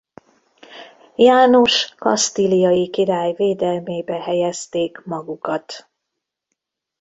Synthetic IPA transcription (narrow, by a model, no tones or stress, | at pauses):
jaːnoʃkɒst̪ilijɒjikiɾaːjveːd̪ɛlmeːbɛhɛjɛst̪eːkmɒɡukɒt̪